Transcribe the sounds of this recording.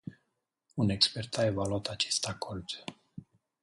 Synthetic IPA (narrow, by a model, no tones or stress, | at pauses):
une̞kspe̞rt̪aevaluat̪at͡ʃe̞st̪akʰord̪